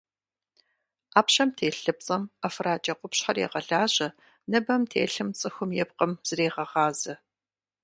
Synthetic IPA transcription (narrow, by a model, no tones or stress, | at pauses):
aːpɕɐmtʰeːɬɨp̚t͡sʼɐmɐfraːd͡ʒʼɐqʷʊpɕħɐrjḛʁɐɮaːʑʼɐ | nɐbɐmtʰḛːɬɨmt͡sʼɨxʷʊmjɛpqəmz̥ɨreːʁɐʁɑːzɨ